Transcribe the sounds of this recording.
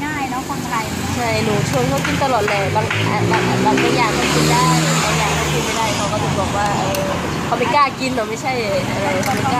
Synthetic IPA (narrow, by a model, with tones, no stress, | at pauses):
ŋaː˥˩jlɛː˦˥wkaː˧˩ŋʔɾa˧jt͡ɕʰa˥˩jnuː˨˩t͡ɕʰu˧əŋkʰa˧˥˩wki˧nt̪a˧lɔː˨˩t̪̚lɤː˧˩ba˧˩ŋ˧ʔaː˨˩nla˧˩ʔa˨˧˩ba˧˩ŋka˧˩jaː˧˩ŋma˧˩nki˧˩nda˥˩˧la˧˩jaː˧˩ŋma˧˩nki˧npa˥˩jdaː˥˩jkʰa˦˥wkɔː˥˩t̪ʰɯ˧˩bɔː˨˩k̚waː˧˥˩ʔɤː˧˩˧ | kʰa˦˥wpa˧jkaː˧˥˩ki˧ndaː˨˩wma˥˩jt͡ɕʰa˥˩jʔa˧ɾa˧jkʰa˦˩pa˧˩˧aː˧